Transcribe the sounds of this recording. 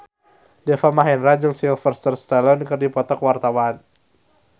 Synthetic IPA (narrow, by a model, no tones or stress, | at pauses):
dɛfamaɦɛnrad͡ʒəŋsilfərst̪ərst̪alɔnkɨrdipɔt̪ɔkwart̪awan